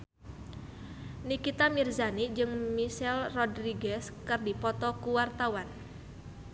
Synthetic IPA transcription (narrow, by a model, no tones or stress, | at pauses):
nikit̪amirzanid͡ʒɨŋmiʃɛlrɔdriɡɛskɨrdipɔt̪ɔkuwart̪awan